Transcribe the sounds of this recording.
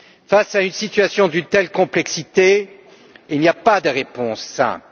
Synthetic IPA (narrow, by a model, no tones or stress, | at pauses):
fasaynsit̪ɥasjɔ̃d̪ynt̪ɛlkɔ̃plɛksit̪e | ilniapad̪əʁepɔ̃sːɛ̰̃p